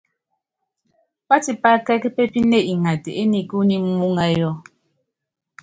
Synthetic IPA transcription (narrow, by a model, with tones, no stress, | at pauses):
pa˦ti˨pa˦kɛ˦kpe˦pi˦ne˦ʔi˨ŋa˨te˨ʔe˦ni˨ku˦ni˦mu˦ŋa˦jɔ˦